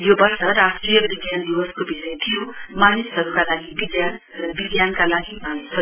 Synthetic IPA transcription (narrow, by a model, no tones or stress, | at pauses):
jobasəɾast̪ɾijəkʋiɡjand̪iʋəskobisəjt̪ʰijomanisəɾukalaɡibiɡjan | ɾəʋiɡjankalaɡimasə